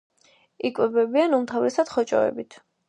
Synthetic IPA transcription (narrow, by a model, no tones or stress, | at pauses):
ikʼwɛbɛbianumt̪ʰavɾɛsad̪̥χɔt͡ʃʼɔ̰ɛ̰bit̪ʰ